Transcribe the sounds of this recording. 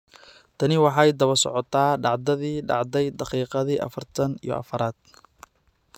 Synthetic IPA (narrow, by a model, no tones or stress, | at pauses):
t̪ʰɐnɪwɑħɑjd̪ɐβɐrsɔ̰ʕɔt̪ʰaːɖɑʕd̪ɐðiːɖɑ̰ʕd̪ɛjd̪ɑqiːqɑðiːʔɐ̰fɐrt̪ʰɐnḭjɔ̰ʔɐ̰fɐɾaːd̪̥̚